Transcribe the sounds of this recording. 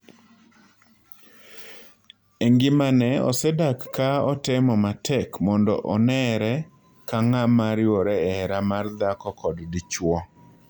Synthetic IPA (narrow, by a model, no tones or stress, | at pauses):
eŋɡɪmanɛɔ̰sɛdakːaɔtɛmɔmatʰɛkmɔndɔ̰ʔɔnɛɾɛ | kaŋamaɾjɔɾɛɛɾamard̪akɔkɔddit͡ʃwɔ